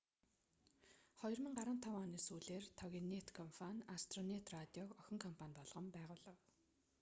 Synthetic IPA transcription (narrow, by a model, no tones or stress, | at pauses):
χɔj̆rmə̆ŋɢaɾə̆nt̪ʰɔwɔːniːsuːɮeːrt̪ʰɔɣʲinet̪kʰɔmfanast̪rɔnet̪rat̪ʲiɔkɔxʲɪ̆ŋkʰɔmpʰanʲpɔɮʁə̆mpæːʁʊːɮə̆w